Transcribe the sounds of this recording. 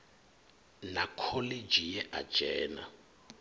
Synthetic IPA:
nakʰɔled͡ʒijɛʔa̰̥d͡ʒ̥ɛːna̰

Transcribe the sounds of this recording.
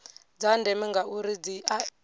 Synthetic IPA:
d͡zandɛmiŋɡauɾid͡zia

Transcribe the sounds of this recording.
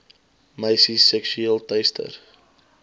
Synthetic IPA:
məjsisɛksyeːlˠtɛstʰə̰r

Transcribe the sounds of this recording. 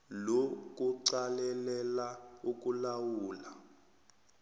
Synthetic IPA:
lok̬ʼuǀalɛlɛlauk̬ʼulawuːla

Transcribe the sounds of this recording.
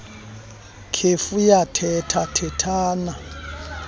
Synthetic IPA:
kʰefujatʰɛtʰatʰɛtʰaːna

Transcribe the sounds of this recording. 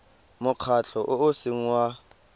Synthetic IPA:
mʊq͡χʰat͡ɬʰɔʔʊʊsɪŋ̩wa

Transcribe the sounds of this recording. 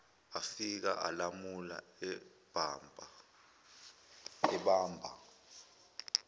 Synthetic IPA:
afik̬aʔalamula̰ɛ | b̥ʱambʱ | ɛɓaːmbʱa̰

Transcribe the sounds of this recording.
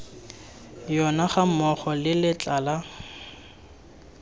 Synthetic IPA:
jɔnaχamɔχɔlɪlɪt͡ɬaːla

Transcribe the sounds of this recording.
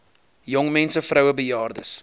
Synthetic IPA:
jɔŋmɛnsəfrœwəbəjɑːrdə̰s

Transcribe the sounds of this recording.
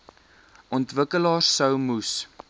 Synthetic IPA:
ʔɔntvəkəlɑːrsəwmus

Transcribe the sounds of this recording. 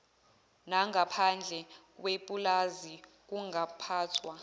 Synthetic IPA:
naŋapʰand͡ɮʱɛkwepʼulazi | k̬uŋapʰaːtʰwa

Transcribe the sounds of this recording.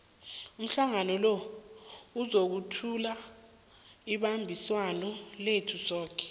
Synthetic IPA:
um̩ɬaŋanɔlɔ | uzok̬utʰula | iɓambʱiswanɔletʰusɔːkʰɛ̥

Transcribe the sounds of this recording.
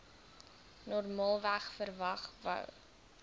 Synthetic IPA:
nɔrmɑːlˠvæχfərvɐχvə̰w

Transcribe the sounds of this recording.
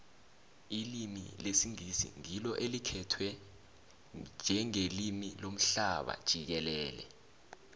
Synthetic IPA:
ilimḭlesiŋisḭŋilɔʔelikʰɛtʰwɛ | nd͡ʒʱɛŋelimilom̩ɬaɓa̰d̥ʒ̥ʱik̬ɛlɛːlɛ̰

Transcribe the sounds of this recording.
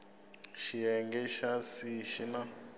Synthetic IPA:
ʃiɛŋɡɛʃasiʃina

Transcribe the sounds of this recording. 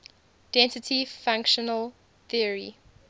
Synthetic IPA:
d̥ɛ̃nsɪtʰifãŋkʃənəl | θiəɹi

